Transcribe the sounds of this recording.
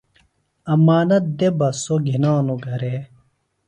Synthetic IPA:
ɐmaːnɐt̪̚d̪ebɐsoɡʱinaːnuɡʱɐɾe

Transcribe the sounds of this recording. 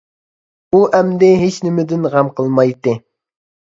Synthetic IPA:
uʔɛmd̪ɪɦet͡ʃnɪmɪd̪ɪnʁɑmqʰəlˠmɑjt̪ːɨ

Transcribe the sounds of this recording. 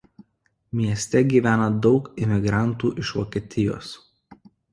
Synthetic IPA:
mʲiɛsʲt̪ʲɛɡʲiːʋʲæːnɐd̪ɒʊkɪmʲɪɡɾɑˑnˑt̪uːʔɪʃʋɔ̰kʲiɛt̪ʲɪjo̰ːs

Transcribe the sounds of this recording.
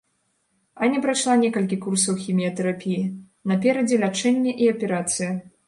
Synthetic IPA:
ɐnʲɛpɾajʂlˠanʲɛkɐlʲkʲikursɐwxʲimʲijɐt̪ɛɾapʲiji | nɐpʲɛɾɐd͡zʲɛlʲat͡ʂɛnʲːɐʔiɐpʲɛɾat̪sɨjɐ

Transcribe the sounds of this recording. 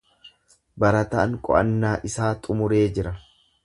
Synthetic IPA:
bɐɾɐt̪ɐːŋkʼɔ̰ʔɐ̰nːaːʔɪsaːt̪ʼʊmʊɾeːd͡ʒɪɾɐ

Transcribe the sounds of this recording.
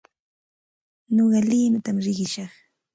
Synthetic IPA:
noɢɑliːnʊt̪amɾɪɢɪʃɑχ

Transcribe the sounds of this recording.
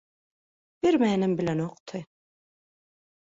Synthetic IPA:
b̥iɾmɛːnɛmbilanɔqʼt̪ʰɨ

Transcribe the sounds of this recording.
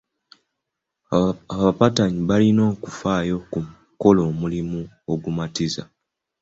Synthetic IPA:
aβapataɲiβalino̞ːkufaːjo̞kumu | ko̞lo̞ːmulimu | o̞ɡumatiza̰

